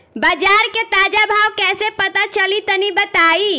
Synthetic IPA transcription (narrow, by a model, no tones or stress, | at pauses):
bəd͡ʒaɾket̪ad͡ʒabʱawkɛːsepət̪at͡ʃəlit̪ənibət̪ai